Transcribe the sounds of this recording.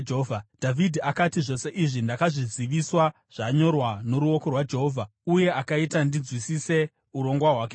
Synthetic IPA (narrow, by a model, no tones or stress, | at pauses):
d͡ʒɦovʱad̥ʱavidʱiakatiʐo̞se̞ʔiʐindakaʐiziʋiswa | ʐ̥aɲo̞rwano̞ɾuo̞ko̞rwad͡ʒe̞ɦoːvʱa | uje̞akaitandid͡zwisise̞ | uɾo̞ŋɡwaɦwaːke